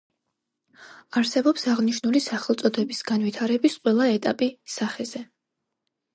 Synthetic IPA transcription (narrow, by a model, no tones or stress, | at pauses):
aɾsɛbɔpsaʁniʃnulisaχɛlˠt̪sʼɔd̪ɛbisɡ̥anvit̪ʰaɾɛbisqʼwɛlˠaɛt̪ʼapʼisaχɛzɛ